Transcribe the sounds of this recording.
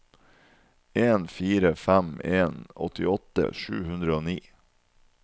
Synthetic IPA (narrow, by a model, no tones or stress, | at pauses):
eːnfiːɾəfæmeːnɔ̰t̪ɪɔt̪ːə̰ʂʉ̰ːhʉnd̪ɾəoːniː